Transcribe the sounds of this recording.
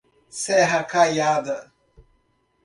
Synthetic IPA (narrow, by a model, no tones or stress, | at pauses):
seɦakajadə